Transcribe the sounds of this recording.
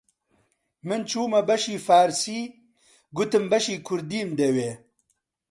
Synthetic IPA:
mɨnt͡ʃʰuːmɐbɐʃiːfaːɾsiː | ɡʊt̪ɨmbɐʃiːkʰʊɾd̪iːmd̪eweː

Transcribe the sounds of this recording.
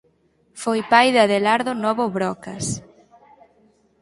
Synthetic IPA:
fojpajðaðelaɾðonɔβoβɾɔkɐs

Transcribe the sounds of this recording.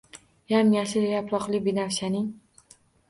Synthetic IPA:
jamjaʃɪjapɾɒqlɪbinafʃanɪŋ

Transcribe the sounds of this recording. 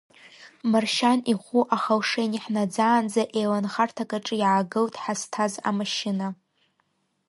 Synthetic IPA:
marʃaniχʷuʔaχalʂejniħnad͡zaːnd͡zaʔejlanχartʰakʼaʈ͡ʂʼɨjʕaɡɨltʼħastʰaza̰maʃɪna

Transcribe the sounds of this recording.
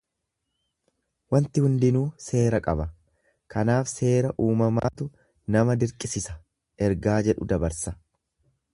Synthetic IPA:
wɐnt̪ɪhʊnd̪ɪnuːse̞ːɾɐkʼɐbɐ | kɐnaːfse̞ːɾɐʔuːmɐma̰ːt̪ʊ | nɐmɐd̪ɪɾkʼɪsɪsɐ̥ | ʔɛɾɡaːd͡ʒɛᶑʊ̰d̪ɐbɐɾsɐ

